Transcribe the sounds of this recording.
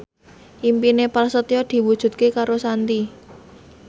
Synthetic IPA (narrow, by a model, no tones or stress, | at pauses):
ʔimpinepalsət̪iɔd̪̥i̤wud̥ʒ̥ṳt̪̚kekaɾosant̪i